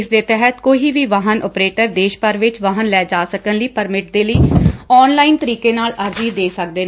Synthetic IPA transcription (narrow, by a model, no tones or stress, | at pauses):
sd̪eːt̪ɛɦət̪koːiːʋiːʋaːɦənʔɔ̰ːpɾeːʈəɾd̪eːʃpəɾʋɪt͡ʃʋaːɦənlɛːd͡ʒaːsəkənləiːpəɾmɪʈ̚d̪eːləiːɔːnlaːint̪əɾiːkeːnaːləɾd͡ʒiːd̪eːsək̚d̪eː